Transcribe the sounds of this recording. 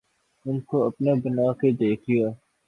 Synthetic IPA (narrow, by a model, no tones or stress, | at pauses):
ʊnkoːɐpnaːbɪnaːked̪eːkʰijoː